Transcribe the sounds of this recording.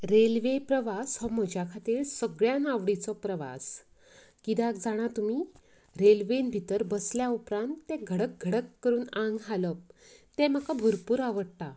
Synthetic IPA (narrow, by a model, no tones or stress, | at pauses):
ɾelʋepɾəʋasɦɔm̤əd͡ʑʱjakʰat̪iːɾsəɡɭjanaʋɽit͡sɔpɾəʋa̰s | kid̪ak̚d͡zaɽ̃at̪umiː | ɾelʋenbʱit̪əɾbəsljaupɾãnt̪ːɛɡʱəɽək̚ɡʱəɽəkːəɾuːnãŋɡɦaləp̚t̪ːɛm̤əkabʱuɾpuːɾaʋəɽt̪a